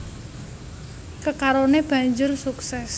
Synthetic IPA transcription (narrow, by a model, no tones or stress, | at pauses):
kəkaɾoneb̥ä̤ɲd͡ʒʊrsuksɛs